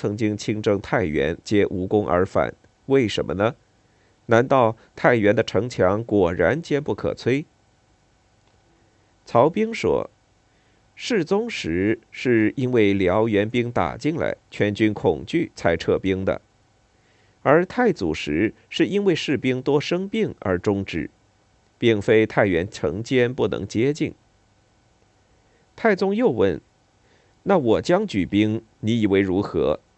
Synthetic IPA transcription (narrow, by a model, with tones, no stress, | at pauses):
t͡sʰɤ˧˥ŋt͡ɕi˥ŋt͡ɕʰi˥ŋʈ͡ʂɤ˥˧ŋt̪ʰa˥˩ɪɥɛ̰˧˥nt͡ɕjɛ˥ʔu˧˥kʊ˥ŋʔə̰˞˧˥fa̰˨˩˦n | we˥˩ɪʂə˧˥mʔə̰˧nə˨ | na˧˥nt̪ɑ˥˧ʊ | t̪ʰa˥˩ɪɥɛ˧˥nd̪ə˧ʈ͡ʂʰɤ˧˥ŋt͡ɕʰjɑ˧˥ŋkwɔ˨˩ɻa̰˧˥nt͡ɕjɛ˥npu˥˩kʰɤ̰˨˩t͡sʰwe˥ɪ | t͡sʰɑ˧˥ʊpi˥ŋʂwɔ̰˥ | ʂɻ̩˥˩t͡sʊ˥ŋʂɻ̩˧˥ʂɻ̩˥˩i˥nwe˥˩ɪljɑ˧˥ʊɥɛ˧˥npi˥ŋt̪a̰˨˩t͡ɕi˥ŋla̰˧˥ɪt͡ɕʰɥɛ˧˥nt͡ɕy˥nkʰʊ˨˩ŋt͡ɕy˥˩t͡sʰa˧˥ɪʈ͡ʂʰɤ˥˩pi˥ŋd̪ə̰˨˩ | ə˞˧˥t̪ʰa˥˩ɪt͡sṵ˨˩ʂɻ̩˧˥ | ʂɻ̩˥˩i˥nwe˥˧ɪʂɻ̩˥˩pi˥ŋt̪wɔ˥ʂɤ˥ŋpi˥˩ŋə̰˞˧˥ʈ͡ʂʊ˥ŋʈ͡ʂɻ̩̰˥˩ | pi˥˧˩ŋfe˥ɪt̪ʰa˥˩ɪɥɛ˧˥nʈ͡ʂʰɤ̰˧˥ŋt͡ɕjɛ˥npu˥˩nɤ̰˧˥ŋt͡ɕjɛ˥t͡ɕi˥˩n | t̪ʰa˥˩ɪt͡sʊ˥ŋjo˥˧ʊwə̰˥˩n | na˥˩wɔ˨˩t͡ɕjɑ˥ŋt͡ɕy˨˩pi˥ŋ | ni˧˥i˨˩we˧˥ɪɻu˧˥xɤ̰˧˥